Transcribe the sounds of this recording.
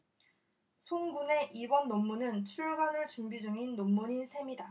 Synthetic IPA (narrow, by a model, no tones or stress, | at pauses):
sʰoŋɡune̞ʔibʌnːomːunɯnt͡ɕʰuɭɡanɯɭt͡ɕumbid͡ʑuŋinːomːuɲinsʰe̞mida